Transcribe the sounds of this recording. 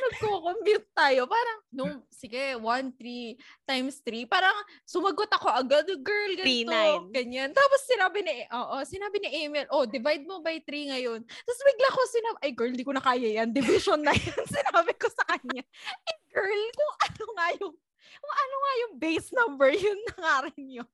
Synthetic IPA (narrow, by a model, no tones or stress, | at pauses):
nɐɡ̚koːkompjut̪̚t̪aːjo̞paːɾɐŋnʊŋsɪɡɛwɐnt̪ɾi | t̪ajmst̪ɾipaːɾɐŋ | sʊmɐɡot̪ɐko̞ʔɐɡad̪ɡɛɹlɡɐoɡɐɲant̪aːposːɪnaːbɪnɪʔoːʔo̞sɪnaːbɪnɪʔejmɪlʔod̪ɪvajd̪̚mobɐjt̪ɾiŋɐjo̞nt̪ɐsbɪɡlakosɪnabʔɐjɡɛɹlɪnd̪iːkonɐkaːjɐjɐnd̪ɪvɪʃonːɐjansɪnaːbɪkosɐkɐɲaʔɐjɡɛɹlkʊŋʔɐnoŋajʊŋ | kʊŋʔɐnoŋajʊŋbejsnɐmbɛɹjʊnːɐŋaːɾɪnɲo